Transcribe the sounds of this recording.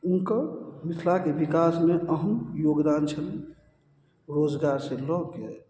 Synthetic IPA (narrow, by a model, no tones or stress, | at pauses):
unkəmit̪ʰlakebikasmeʔəɦənjoɡd̪ant͡ʃʰən | ɾod͡ʒɡaɾsẽlɔke